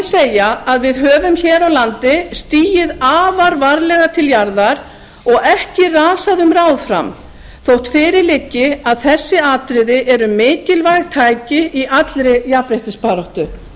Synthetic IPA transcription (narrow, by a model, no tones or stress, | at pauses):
ðsejaaðvɪðɦœːvʏmçɛːɾawlant̪ɪst̪iːjɪðaːvaɾvaɾlɛɣat̪ʰɪljaɾðaɾ̥ | ɔɣɛhcɪraːsaðʏmraːwðfɾa̰m | θowht̪fɪːɾɪɾlɪcːɪaðθɛsːɪaːt̪ɾɪðɪʔɛɾʏmɪːcɪlvajɣt̪ʰaːjcɪiʔat̪lɾɪjapɾejht̪ɪspaːɾɔht̪ʏ